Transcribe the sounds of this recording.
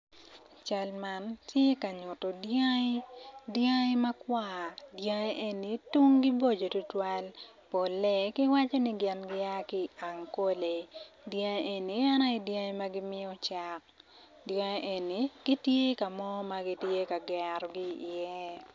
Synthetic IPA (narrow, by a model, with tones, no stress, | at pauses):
t͡ʃa˨lma˦ntje˦ka˨ɲʊ˨tɔ˨dja˦ɪ˦djã˦ɪ˦mɐ˦kwa˦˨djã˦e˦ʔe˨ni˨tu˦ŋɡi˦bo˦d͡ʒo˨tʊ˦twa˦l | po˨le˦kɪ˦wa˦t͡ʃo˦nɪ˦ɡɪ˦nɡɪ˦a˦kɪ˦a˨ŋko˦le˨djã˦ʔe˨ni˨a˦na˦ɪ˨djã˦i˦ma˦ɡɪ˦mɪ˦ɔ˦t͡ʃa˨k̚ | djã˦ʔe˨ni˨ɡ̥i˦tje˦ka˨mɔ˦ma˦ɡi˦tje˦ka˨ɡɛ˨ɾɔ˨ɡi˦i˨jɛ˦